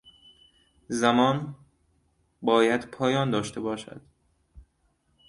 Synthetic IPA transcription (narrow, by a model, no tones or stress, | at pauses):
zæmɒːn | bɒːjæd̪̥pʰɒːjɒːnd̪ɒːʃt̪ʰe̞bɒːʃæ̰d̪̥